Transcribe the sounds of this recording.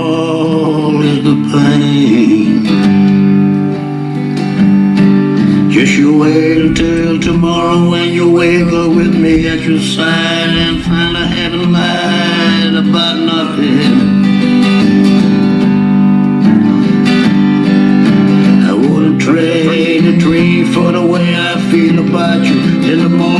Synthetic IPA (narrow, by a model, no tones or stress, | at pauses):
lˠɪzðəpʰlẽ | n | d͡ʒ̥ʌsəweɪɪɾtʰɪlˠtʰɨmɑɹoʊɨ̃njəweɪvə˞wɪðmiɨt͡ʃə˞saɪ | ɾɨ̃nfãɪ̃ndəɦɛɾəla | ɾəbaʊtⁿnʌθɪ̃ŋ | aɪwʊdⁿn̩tʰɹ̥eɪ | ɪ | ɾɨdʰɹĩ | fə˞ðəweɪaɪfilˠəbaʊt͡ʃɨ | ɪ̃nðəmɔ